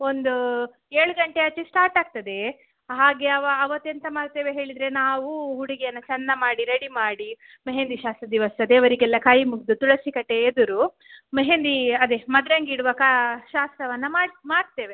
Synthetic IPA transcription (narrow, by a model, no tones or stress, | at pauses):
o̞nd̪u | eːɭuɡɐɳʈeɐt͡ʃːisʈaːɾʈaːɡ̚t̪ɐd̪e̞ | ɦaːɡe̞ɐʋɐːʋɐt̪ːent̪ɐmaːɽt̪e̞ːʋeɦe̞ːɭid̪ɾe̞naːʋuɦuɽiɡɛjɐnːɐt͡ʃɐnːɐmaːɽiɾɐɽimaːɽi | meɦeːnd̪iʃaːst̪ɾɐd̪iʋɐsɐd̪eːʋɐɾiɡɛlːɐkʰaːjimuɡd̪ut̪uɭɐsikɐʈe̞ed̪uɾu | meɦend̪iɐd̪emɐd̪ɾɐŋɡiɽuʋɐkaʃaːst̪ɾɐʋɐnːɐmaːɽmaːɽt̪e̞ːʋe̞